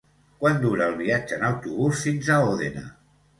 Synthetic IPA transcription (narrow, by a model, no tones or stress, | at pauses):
kwand̪uɾəːlˠβiad͡ʒəːnawt̪uβusfinzaoðena̰